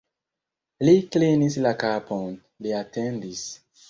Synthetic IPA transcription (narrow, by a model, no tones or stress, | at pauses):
liklinislakapʰon | liatendis